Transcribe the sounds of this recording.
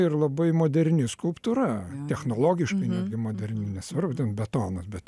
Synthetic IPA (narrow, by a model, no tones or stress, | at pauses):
ɪrlˠɐbɐɪmoːd̪ʲɛɾʲnʲɪskʊlˠpt̪uɾɐt̪ʲɛxnoːlˠoːɡʲɪʃkɐɪnʲæːd̪ʲɡʲɪmoːd̪ʲɛɾʲnʲɪnʲɛsʋɐrbʊd̪ʲɪnbʲɛt̪oːnɐsbʲɛt̪